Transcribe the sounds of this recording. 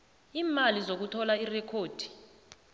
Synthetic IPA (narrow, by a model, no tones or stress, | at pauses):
iːmalizok̬utʰɔlairɛkʰoːd̥ʱi̥